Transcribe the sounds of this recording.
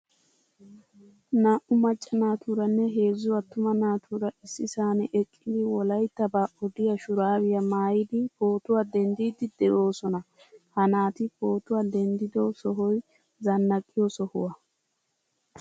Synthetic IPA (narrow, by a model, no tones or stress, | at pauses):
naːʔʊmɐt͡ʃʼːɐnaːt̪uɾɐnːɛɦe̞ːzːʊwɐt̪ːʊmɐnaːt̪uːɾɐʔɪsːɪsaːnɛʔɛkʼːɪd̪ɪwɔlɐjt̪ːɐbaːʔɔd̪ɪjɐʃʊɾaːwɪjɐmaːjɪd̪ɪpoːt̪ʊwad̪ɛnd̪iːd̪ɪd̪ɛʔo̞ːsɔnɐ | hɐnaːt̪ɪpo̞ːt̪ʊwad̪ɛnd̪ɪd̪ɔsɔɦɔj | zɐnːɐkʼːɪjɔsɔhʊwɐ